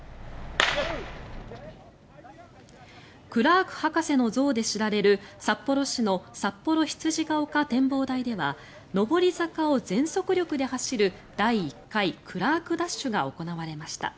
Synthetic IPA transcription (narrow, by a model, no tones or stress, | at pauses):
kɯ̟ɾaːkɯ̟̥hakase̞no̞zo̞ːd̪e̞ɕiɾaɾe̞ɾɯ̟sapːo̞ɾo̞ɕino̞sapːo̞ɾo̞çi̥t͡sɨʑiɡaokat̪ẽ̞mbo̞ːd̪aid̪e̞βa | no̞bo̞ɾʲizakao̞zẽ̞ɰ̃so̞kɯ̟ɾʲo̞kɯ̟d̪e̞haɕiɾɯ̟ | d̪̥aiːkːaikʰɯ̟ɾaːkɯ̟d̪aɕːɨɡao̞̰ko̞naβaɾe̞maɕi̥t̪a̰